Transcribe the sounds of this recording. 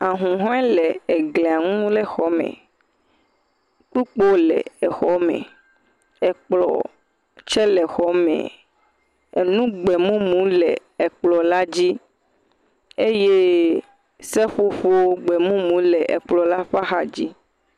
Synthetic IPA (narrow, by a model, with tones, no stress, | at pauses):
a˨ɦũ˨ɦɔ̃˦ɛ˦lɛ˨ɛ˨ɡlẽ˨a˨ŋũ˦lɛ˦xɔ˦mɛ̰̃˨ | k͡pu˦k͡po˦lɛ̰˨ɛ˨xɔ˦mɛ̰̃˨ | ɛ˨k͡plɔ̰˨ | t͡ʃɛ˦lɛ˨xɔ˦mɛ̰̃˨ | e˨nũ˦ɡ͡bɛ˨mũ˦mũ˨˦lɛ̰˨ | ɛ˨k͡plɔ˨la˦d͡ʑi˦ | e˦je˦ | sɛ˦ɸu˦ɸo˦wo˦ɡ͡bɛ˨mũ˦mũ˨˦lɛ˨ʔɛ̰˨k͡plɔ˨la˦ɸa˦xa˨d͡ʑi˦